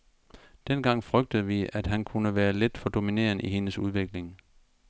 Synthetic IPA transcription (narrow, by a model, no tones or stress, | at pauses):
d̥enɡ̥ɑ̈ŋ̰fʁœɡ̥̚d̥əð̞̩ˠʋiæd̥ɦænkʰunəʋæːɐle̝d̥fɒ̽d̥o̝mine̝̰ːɐniɦe̝nəsuð̞ˠʋe̝ɡ̥le̝ŋ